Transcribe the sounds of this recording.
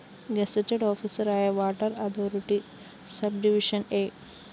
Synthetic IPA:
ɡɐset͡ʃeɖoːpʰisɐɾaːjɐʋaːʈɐɾɐd̪ʰoːɾiʈi | sɐb̚ɖiʋiʂɐneː

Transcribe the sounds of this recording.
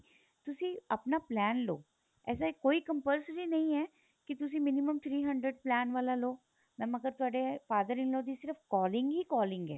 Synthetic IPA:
t̪ʊsiɐpnaplɛːnlo̰ː | ɛ̰ːs̬akoːikɐ̃mpəlsəɾinɐɦĩɦɛː | kit̪ʊs̬imɪnɪməmt̪ʰɾiːɦɐ̃ɳɖɾeɖ̚plɛːnʋaːlaloː | mɛ̃ːmɐɡəɾt̪ʊaːɖefaːd̪əɾɪ̃ŋloːd̪isɪɾəfkɔːlɪ̃ŋɡɦikɔːlɪ̃ŋɡɦɛ̰ː

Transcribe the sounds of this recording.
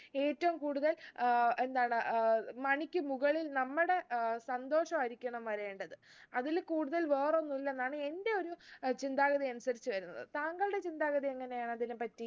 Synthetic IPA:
e̞ːtːɐʋumkuːɽuðɐle̞nd̪aːɳɨmɐɳikʲːɨmuɣɐɭilnɐmːuɽe̞sɐnd̪o̞ːʂɐmɐɾikʲːɐɳɐmʋɐɾe̞ːɳɖɐðɨɐðilkuːɽuðɐlʋeːro̞nːilːɐnd̪aːɳɨe̞nde̞oɾut͡ɕind̪aːɣɐðijɐnusɐɾit͡ɕːɨʋɐɾunːɐ̰ðɨt̪aːŋɡɐɭɨɽe̞t͡ɕind̪aːɣɐðiɐŋːɐne̞jaːɳɨɐðinɨpɐtːi

